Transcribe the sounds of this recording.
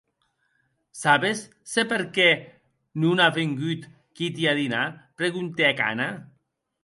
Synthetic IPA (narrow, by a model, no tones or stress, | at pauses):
saβesː | epeɾkɛ | nunaβeŋɡyt̪ | kit̪iaðinapɾeɣunt̪eaka̰na